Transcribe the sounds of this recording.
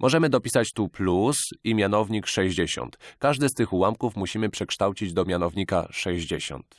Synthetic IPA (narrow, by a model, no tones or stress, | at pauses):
mʔɔʐɛmɘd̪ɔpʲisat͡ɕt̪uplusimʲjanɔvɲikʂɛʑd͡ʑeɕɔ̰nt̪kaʐd̪ɘst̪ɘxwamkufmuɕimɘpʂɛkʂt̪awt͡ɕid͡ʑd̪ɔmʲjanɔvɲika̰ʂɛʑd͡ʑeɕɔ̰nt̪